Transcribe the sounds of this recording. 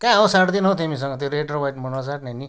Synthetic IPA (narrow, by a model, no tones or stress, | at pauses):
kãawsaʈd̪inɦõt̪imĩs̬ʌ̃ŋɡʌt̪eɾeʈrobajʈmunasaʈnani